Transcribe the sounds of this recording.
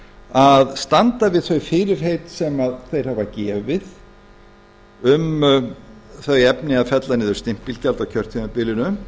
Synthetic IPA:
aðst̪ant̪avɪðθœɥfɪːɾɪɾ̥ɦejt̪sɛmaðθejɾ̥havacɛːvɪð | ʏm | θœɥjɛpnɪaðfɛt̪lanɪːðʏ̥ɾst̪ɪm̥ppilcalt̪awcʰœr̥t̪ʰinapɪːlɪnʏ

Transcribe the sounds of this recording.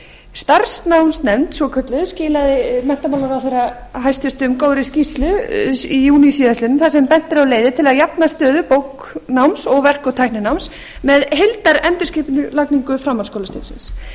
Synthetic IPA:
st̪ar̥snawmsnɛmt̪svɔkʰœt̪lɪðscɪːlaðɪmɛn̥t̪amawlaɾawθejɾaɦajst̪ʰʏɾ̥t̪ʏmkoːwɾɪscist̪lʏijuːnisiːðast̪ɪnmθasɛmpɛn̥t̪ɪɾaleːjðɪt̪ʰɪlaðjapnast̪œːðʏpowk | nawmsɔɣvɛr̥kɔt̪ʰajhnɪnawms | mɛðɦelt̪aɾɛnt̪ʏskɪːpɪnʏlakniŋkʏfɾamanskoːwlast̪ɪnsɪ̰ns

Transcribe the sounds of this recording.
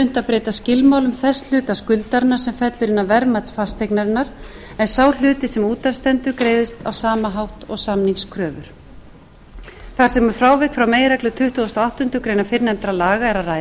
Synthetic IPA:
ʏn̥t̪apɾeːjt̪ascɪlmaːwlʏmθɛsl̥ʏːt̪askʏlt̪aɾɪnaɾ̥sɛmfɛt̪lʏɾɪnːavɛɾmat̪sfast̪ʰejknaɾɪnːaɾ | ɛnsaːwl̥ʏːt̪ɪsɛmuːt̪afst̪ɛnt̪ʏkɾeːjðɪst̪awsaːmaɦawht̪ɔɣsamniŋskʰɾœːvʏ̰ɾ̥ | θaɾ̥sɛmafɾaːwvɛkfɾawmeːjɾɛklʏt̪ʰʏht̪uɔst̪ɔawht̪ʏnt̪ʏkɾeːjnafɪɾnɛmt̪ɾalaːɣaɛɾaraj

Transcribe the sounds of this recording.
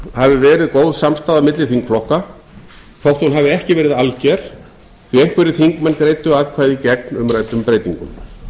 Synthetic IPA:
havɪvɛːɾɪðkoːwðsamst̪aːðamɪt̪lɪθiŋkflɔhka | θowht̪unɦavɪɛhcɪvɛːɾɪðalcɛɾ̥ | θɥiejŋ̥kvɛɾɪθiŋkmɛnkɾeːjt̪ʏaːðkʰvaːjðɪcɛk̚nʏmɾaːjt̪ʏmpɾejt̪iŋkʏm

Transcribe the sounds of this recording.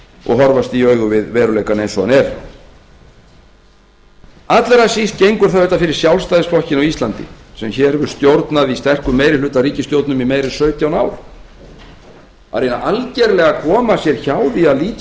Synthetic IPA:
ɔ̰ɣɦɔɾvast̪iœɥɣʏvɪðvɛːɾʏlejkanejnsɔanɛɾ̥ | at̪lɛɾasist̪̚cejŋkʏɾ̥θaœʏht̪afɪɾɪɾ̥sjawlst̪ajðɪsflɔhcɪnawist̪lant̪ɪ̰sɛmçɛːɾɛvʏɾ̥st̪jowɾt̪naðist̪ɛr̥kʏmːeːjɾɪlʏːt̪aɾiːcɪst̪jowɾt̪nʏmimejɾɪsœːɥt̪jawnaːwɾ̥ | a̰ɾenaʔalcɛɾlɛɣakʰɔːmasjɛɾ̥çawðɪaðliːt̪

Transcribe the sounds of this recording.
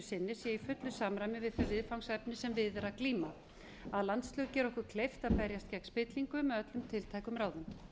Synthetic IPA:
sɪnːɪsjɛifʏt̪lʏsamɾajmɪvɪðθœvɪðfawŋsɛpnɪsɛmvɪðɛɾakliːma | aðlant̪st̪lʏcɛːɾɔhkʏɾ̥kʰlejft̪aðpɛɾjast̪̚cɛkn̥spɪt̪liŋkʏmɛœt̪lʏmt̪ʰɪlt̪ʰajkʏmɾaːwðʏm

